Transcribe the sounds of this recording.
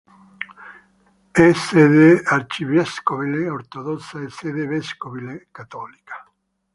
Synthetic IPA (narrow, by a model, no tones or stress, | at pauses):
ɛseðeaɾt͡ʃiβɛskoβileoɾt̪oðɔt̪saeseðevɛskoβilekat̪ɔlikḁ